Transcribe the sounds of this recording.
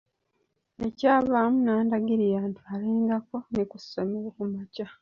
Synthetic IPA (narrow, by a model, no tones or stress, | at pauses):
e̞caːβaːmunaːndaɡiɾijaːntʰualiːŋɡako̞nikusːomewokumaca